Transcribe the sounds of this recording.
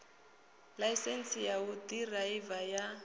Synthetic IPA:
laisɛn̩sijautiraivaja

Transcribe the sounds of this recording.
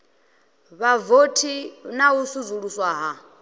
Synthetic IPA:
βavotʰinausuzuɺuswaɦa

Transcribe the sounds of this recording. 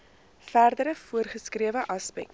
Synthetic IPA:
færdəɾəfuərχəskriəvəʔɐspɛ̰k̚t

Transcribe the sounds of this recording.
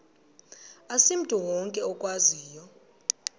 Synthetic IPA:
asim̩tʼuwɔŋkʼɛɔkʼwaziːjɔ

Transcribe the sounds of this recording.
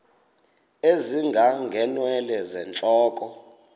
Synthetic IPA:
eziŋɡʱaŋɡʱɛnwɛlɛzɛnt͡ɬʼɔːkʼɔ

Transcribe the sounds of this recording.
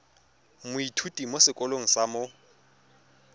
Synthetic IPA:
mʊitʰutʼimosɪkʼɔloŋ̩samʊ

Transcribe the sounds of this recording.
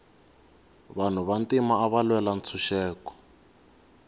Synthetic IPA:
βan̤uβantimaːβalwɛlant͡sʰuʃɛːkɔ̥

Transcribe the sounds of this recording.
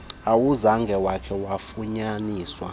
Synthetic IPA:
awuzaŋɡʱɛwakʰɛwafuɲaniːswa̰

